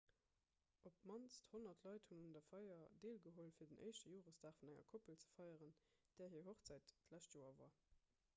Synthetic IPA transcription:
ʔop̚mɑnsthonɐtʰlɑɪthunundɐfɑɪɐdeːlɡəɦolfiːɐdənʔə̰ɪʃtəjoːʁəsdaːχfunæŋɐ̰kʰopəlt͡sə̥fɑɪəʁən | d̥ɛːɐɦiːɐɦoχt͡sæɪtːlæʃtjoːɐva̰ː

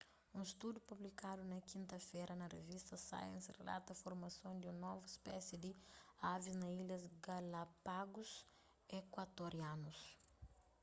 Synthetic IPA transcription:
ũist̪ud̪jupublikad̪unɐkĩnt̪ɐfɛɾʔɐnɐrḛvist̪ɐsa̰jɐ̰̃nsrḛla̰t̪ɐfoɾmɐsõd̪iũnɔvuispɛsid̪iaviznɐilɐzɡɐlɐpaɡus | ekwat̪oɾianus

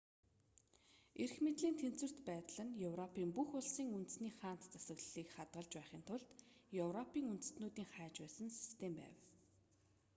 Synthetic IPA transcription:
erxmet̪ɮiːnt̪ʰen̥t͡swɘ̆r̥t̪pæːt̪ɮə̆njɵwrɔpʰiːmpuxʊɮsiːŋunt̪ɘ̆sniːχaːnt̪t͡sasə̆ɣɮɮiːkχat̪ɢə̆ɮt͡ɕpæːχiːnt̪ʰʊɮt̪jɵwrɔpiːŋunt̪ɘ̥̆snuːt̪iːŋχæːt͡ɕpæːsə̆nsi̥st̪ʰempæ̰ːw

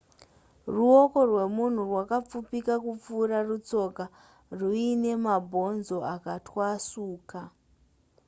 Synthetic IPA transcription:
ruo̞ko̞rwe̞mun̤urwakap͡fupikakup͡fuːɾarut͡so̞ka | ruine̞mabʱo̞nzo̞akatwasuːka

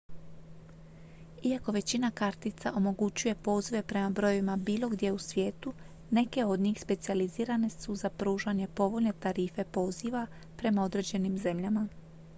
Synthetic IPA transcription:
iako̞ʋe̞t͡ɕinakaɾt̪it̪saʔo̞mo̞ɡut͡ɕuje̞po̞ːziʋe̞pɾe̞mabɾo̞joʋimabiːlˠo̞ɡd̪je̞usʋje̞ːt̪u | ne̞ke̞o̞d̪ɲiːxspe̞t̪sializiːɾane̞suzapɾuːʒaɲe̞po̞ʋo̞ʎne̞t̪aɾiːfe̞po̞ːziʋa | pɾe̞mao̞d̪ɾe̞d͡ʑe̞nimze̞mʎama

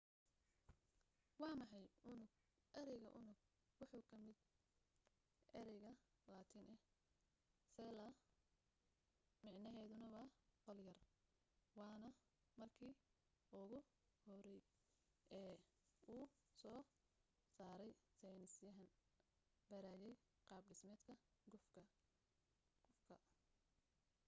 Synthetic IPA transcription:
wɑːmɑħɑjʔʊnʊɡ | ʔɐɾɛjɣɐʔʊnʊɡ̚ | wɑħuːkʰɐmɪd̪ | ʔɛɾɛjɣɐ | laːt̪ʰinʔɛ | sɛːlɐ | mɑʕnɐɦɛːðʊnɐwɑːqɔljɐr | wɑːnɐ | mɐrkʰiː | ʊɣʊ | hɔɾɛj | ʔɛː | uː | sɔː | saːɾɛjsɛjnɪsjɐɦɐn | b̥ɐɾaːjɛj | qɑːbɖɪsmɛːd̪kʰɐɡ | ɡʊfkʰɐ

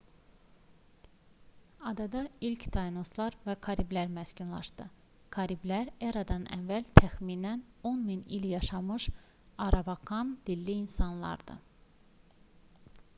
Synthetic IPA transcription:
ɑd̪ɑd̪ɑilcʰt̪ʰɑjnoslˠɑɾvækʰɑɾiblæɾmæscunlˠɑ̰ʃd̪ɯ | kʰɑɾiblæɾeɾɑd̪ɑnæ̰nvːælt̪ʰæxmiːnæno̞nminiljɑʃɑmɯʃ | ɑɾɑvɑkɑnd̪̥ilːiːnsɑnlˠɑ̰ɾd̪̥ɯ̰

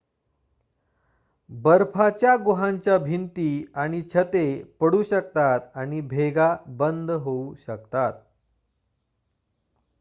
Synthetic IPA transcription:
bəɾpʰat͡ɕjaɡoɦãɲt͡ɕjabʱint̪iːaɽ̃it͡ɕʰət̪epəɽuːɕək̚t̪at̪aɽ̃ibʱeɡabənd̪ʱɦouɕək̚t̪at̪̚

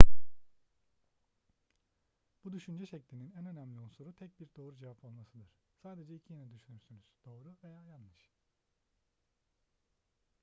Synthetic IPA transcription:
b̥ud̪yʃynd͡ʒɛʃɛclʲininænø̞næmlʲionsoɾut̪ʰɛc̚biɾd̪o̞ːɾud͡ʒevapʰolˠmasɯd̪ɯɾ̥saːd̪e̞d͡ʒɛicʰijenɛd̪yʃynyɾsynyz̥d̪̥o̞ːɾuve̞jaːjanːɯʃ

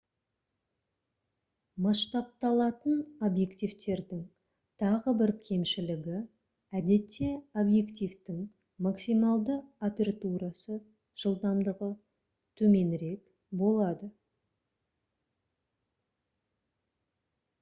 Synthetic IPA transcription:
mɑʃt̪ɑp̚t̪ɑlˠɑt̪ənobje̞kt̪ijvt̪e̞ɾd̪ɪŋ | t̪ʰɑʁəbɪɾkʲʰe̞mʃɪlɪɡʲɪ | æd̪e̞t̪ʰːe̞obje̞kt̪ift̪ɪŋ | maksijmɑlˠd̪əopʲe̞ɾat̪uɾasə | ʒ̥əlˠd̪ɑmd̪əʁə | t̪ʰɵme̞nɾe̞k | bo̞lˠɑd̪ə

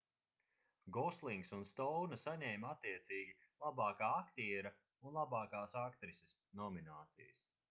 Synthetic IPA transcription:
ɡɔslˠiŋksunst̪ɔwnɐsaɲɛjmat̪ːiɛt̪siːɡʲilˠabɑːkaːakt̪iɛɾɐ | unlˠabɑːkaːsakt̪ɾisʲesnɔminaːt̪sḭjəs

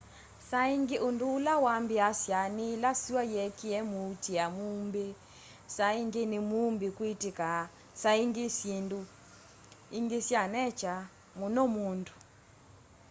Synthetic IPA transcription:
saiŋɡiʔunduːlawambiasjanilasiwajɛkiɛmutiamumbi | saiŋɡinimumbikwitika | saiŋɡisindu | iŋɡisjanɛt͡ʃa | munɔmundu

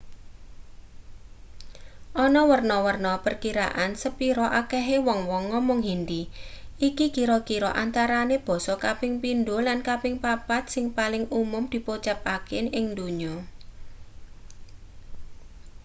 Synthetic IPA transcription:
ʔɔnɔwərnɔwərnɔpərkiɾa̰ʔansəpiɾɔʔakɛɦewɔŋwɔŋːɔmɔŋɦind̪iʔikikiɾɔkiɾɔ̰ʔant̪aɾaneb̥ɔ̤sɔkapɪŋpind̪olankapɪŋpapat̪̚sɪŋpalɪŋʔumʊmd̪̥i̤pot͡ʃapakɪnɪŋd̪uɲɔ

